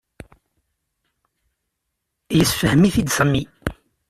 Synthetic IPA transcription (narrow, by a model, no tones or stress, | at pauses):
jəsfəhmiθid̪səmːi